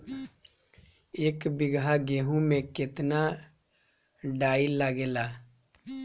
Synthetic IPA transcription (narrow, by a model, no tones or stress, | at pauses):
eːkbɪɡaɡeːɦũmẽkɪt̪na | ɖaːilaɡeːlaː